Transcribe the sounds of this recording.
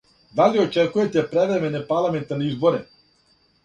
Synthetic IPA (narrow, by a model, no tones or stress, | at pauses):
d̪aliɔt͡ʃɛkuvɛt̪ɛpɾɛvɾɛmɛnɛpaɾlˠamɛnt̪aɾniizbɔɾɛ